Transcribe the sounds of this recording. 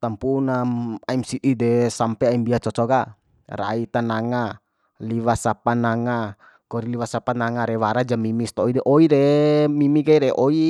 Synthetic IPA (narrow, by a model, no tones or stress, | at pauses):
t̪ampunaaɛmsiʔidɛsampɛaimbiat͡ʃɔt͡ʃɔɡa | ɾa̰it̪anaŋa | liwasapanaŋa | kɔɾiliwasapanaŋaɾɛwaɾad͡ʒamimist̪ɔidɛʔɔiɾɛmimiɡaiɾɛʔɔi